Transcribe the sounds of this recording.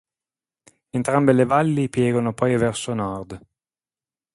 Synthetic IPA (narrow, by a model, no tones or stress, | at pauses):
ent̪ɾambelevalːipjɛːɡonopɔjvɛrsonɔrd̪